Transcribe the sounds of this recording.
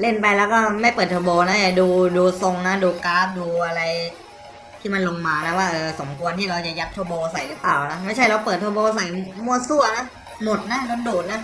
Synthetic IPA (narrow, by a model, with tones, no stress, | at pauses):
le˥˩npa˧jlɛː˦˥wkɔː˥˩ma˥˩jpɤː˨˩t̪ʰoː˧boː˧na˦˥ja˨˩duː˧duː˧so˧ŋna˦˥duː˧kaː˦˥p̚duː˧ʔa˧ɾa˧j | t̪ʰiː˥˩ma˧nlo˧ŋmaː˧na˦˥waː˥˩ʔɤː˧so˩˦mkʰu˧ənt̪ʰiː˥˩ɾa˧wt͡ɕa˨˩ja˦˥t̪ʰːoː˧boː˧sa˨˩˦jpaː˨˩wna˦˥ma˥˩jt͡ɕʰa˥˩jɾa˧wpɤː˨˩t̪ʰːoː˧boː˧sa˨˩˦jmu˧˩ɐsu˥˩ɐna˦˥ | mo˨˩t̪̚na˦˥no˧nduː˨˩t̪̚na˦˥